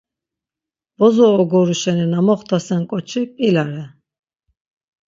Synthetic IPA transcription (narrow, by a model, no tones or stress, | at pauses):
bɔzɔːɡɔɾuʃɛninamɔχt̪ʰasɛnkʼɔt͡ʃʰikʼilaɾɛ